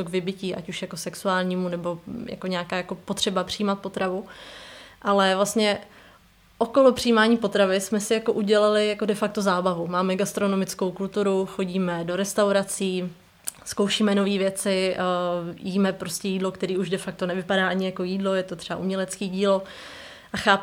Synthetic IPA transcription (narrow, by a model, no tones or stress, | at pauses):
oɡvɪbɪciːʔa̰cuʃjako̞sɛksuaːlɲiːmunɛbo̞ja̰ko̞ɲɛakaːjako̞pot̪r̝̥ɛbapr̥ɪjiːmat̪̚po̞t̪ɾavu | ʔalɛvlast̪ɲɛ | ʔokolopr̥ɪjiːmaːɲiːpo̞t̪ɾavɪsmɛsɪjako̞ʔuɟɛlalɪjakodɛfak̚t̪ozaːbavumaːmɛɡast̪ɾo̞no̞mɪt͡sko̞wkult̪uɾuxo̞ɟiːmɛdo̞ɾɛst̪awɾat͡siː | sko̞wʃiːmɛno̞viːvjɛt͡sɪ | jiːmɛpɾoscɛjiːdlo̞kt̪ɛɾiːuʒdɛfak̚t̪o̞nɛvɪpadaːʔaɲɪjako̞jiːdlo̞jɛt̪ot̪r̥ɛa̰ʔumɲɛlɛt͡skiːɟiːlo̞ | ʔaxaːp